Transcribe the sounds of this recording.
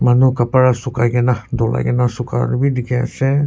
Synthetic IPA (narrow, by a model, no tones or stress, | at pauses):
manukapaɹasukajɡɛnadɔla̰jɡɛnasuka̰ɾbidikʰɛa̰sɛ